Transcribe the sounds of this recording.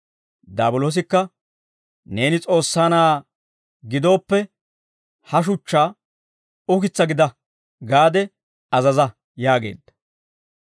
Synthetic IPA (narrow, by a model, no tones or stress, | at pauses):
d̪aːbʊlo̞ːs̬ɪkːɐ | ne̞ːnɪt͡sʼo̞ːsːaːnaː | ɡɪd̪o̞ːpːɛ | hɐʃ̬ʊt͡ʃːaː | ʊkɪt͡sːɐɡɪd̪ɐ | ɡaːd̪ɛ | ɐzɐzɐ | jaːɡe̞̰ːd̪ːɐ̥